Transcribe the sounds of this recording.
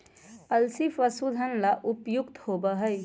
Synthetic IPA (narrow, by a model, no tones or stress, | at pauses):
əlsifəsud̪ʱənlaʔʊpjʊkt̪hoːbəɦəj